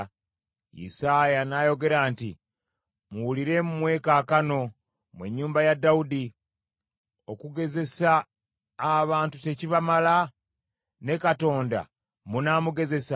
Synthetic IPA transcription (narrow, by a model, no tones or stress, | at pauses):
jḭsajanajo̞ɡe̞ɾaːnti | muwuliɾe̞mumwe̞ːkaːkano̞ | mwe̞̰ɲːuːmbajadːaudi | o̞kuɡe̞ze̞saː | βaːntute̞ciβamala | ne̞kato̞ːnda̰ | munamuɡe̞ze̞sa